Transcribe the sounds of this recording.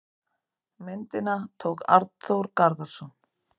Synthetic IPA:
mɪnt̪ɪnat̪ʰoːwka̰ɾt̪θowɾkaɾðaɾsɔn

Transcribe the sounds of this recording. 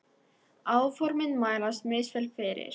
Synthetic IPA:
aːwfɔɾmɪnmaːjlast̪mʏːsfɛlfɪɾɪ̰ɾ̥

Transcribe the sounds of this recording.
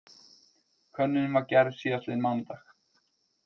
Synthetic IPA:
kʰvœnːɪnʏmvaɾcɛɾðsiast̪ɪnmawnt̪ax

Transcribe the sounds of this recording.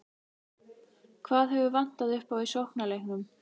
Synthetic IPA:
kʰvaːðɦɛvʏvan̥t̪aðʏhpawisowhknalejhknʏm

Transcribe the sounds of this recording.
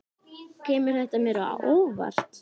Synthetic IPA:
cʰɛːmʏɾ̥θɛht̪amɛːɾʏa̰ʔoːva̰r̥t̪

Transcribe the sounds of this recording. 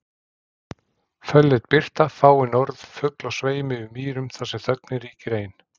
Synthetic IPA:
fœlːɪt̪̚pɪr̥t̪afaːwɪnɔɾðfʏklɔɣsveːjmɪʏmiːɾʏmθasɛθœknɪɾiːcɪɾeːjn

